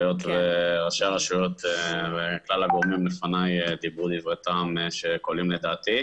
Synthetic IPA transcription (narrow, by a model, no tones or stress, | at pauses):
jo̞t̪veʁaʃeaʁaʃujo̞t̪veklalaɡomimlefanajd̪ibud̪ivʁet̪amʃekolimled̪aːt̪i